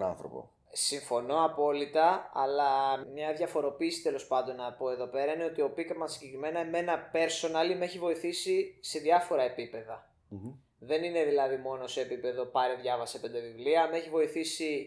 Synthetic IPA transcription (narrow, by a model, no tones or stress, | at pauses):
ɐnθɾopo̰ | siɱfo̞no̞ɐpo̞lit̪ɐɐlɐmɲɐðʝɐfo̞ɾo̞piːsi̥t̪e̞lo̞spɐnd̪o̞nɐpo̞e̞ðo̞pe̞ɾɐine̞o̞t̪io̞pikɐmɐsiɲɟe̞kɾime̞nɐme̞nɐpe̞ɾso̞nɐlime̞çivo̞iθisise̞ðjɐfo̞ɾɐe̞pipe̞ðɐ | ðe̞nine̞ðilɐðimo̞nose̞ːpipe̞ðo̞pɐɾeðʝɐvɐsipe̞nd̪evivliɐme̞çivo̞iθisi